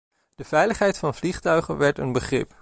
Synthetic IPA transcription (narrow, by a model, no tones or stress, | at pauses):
d̥əv̥ɛjləχɦɛjtfɑnvliχtœɥχənʋɛɹtənbəχrɪ̰p